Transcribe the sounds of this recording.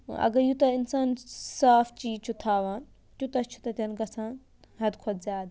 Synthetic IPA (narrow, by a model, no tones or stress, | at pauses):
ɐ̰ɡɐɾjut̪ɐɪnsaːnsaːft͡ʃiːt͡ʃʰut̪ʰaːʋaːn | t̪ut̪ɐt͡ʃʰu̥t̪ɐt̪ɐnɡɐsãːn | ɦɐd̪kʰɐd̪zʲjaːd̪